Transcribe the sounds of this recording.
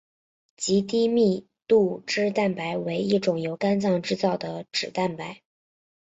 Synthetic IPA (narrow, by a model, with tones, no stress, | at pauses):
t͡ɕi˧˥t̪i˥mi˥˧ | t̪u˥˧ʈ͡ʂɻ̩˥t̪a˥˩npa˧˥ɪwe˧˥ɪi˥˩ʈ͡ʂʊ˨˩ŋjo˧˥ʊka˥nt͡sɑ˥˧ŋʈ͡ʂɻ̩˥t͡sɑ˥˩ʊd̪ə˩ʈ͡ʂɻ̩˨˩t̪a˥˩npa˧˥ɪ